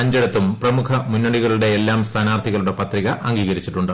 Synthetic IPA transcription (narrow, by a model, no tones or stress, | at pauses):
ɐɲd͡ʑɐɽɐt̪ːumprɐmukʰɐmunːɐɽiɣɐɭuɽe̞ːlːaːmst̪ʰaːnaːrt̪ʰiɣɐɭuɽe̞pɐt̪riɣɐʔɐŋɡiːɣɐɾit͡ɕːiʈːuɳɖɨ